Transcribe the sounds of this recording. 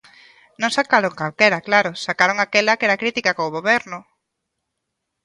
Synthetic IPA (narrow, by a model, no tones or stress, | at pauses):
nõŋsakaɾoŋkalkɛɾɐklaɾʊsakaɾoŋakɛlakɛɾakɾit̪ikakoːɣoβɛɾnʊ